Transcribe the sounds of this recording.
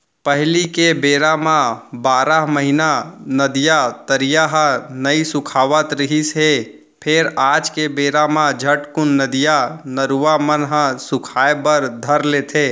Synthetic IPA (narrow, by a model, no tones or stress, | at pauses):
pəɦlikebeːɾamãbaːɾaɦməɦinanəd̪ijat̪əɾijaɦə̃nəisʊkʰaːʋət̪ɾɪɦisɦe | pʰeɾaːd͡ʒkebeːɾamãd͡ʒʱəʈkʊnːəd̪ijanəɾuʋamənɦə̃sʊkʰaːebəɾd̪ʱəɾlet̪ʰeː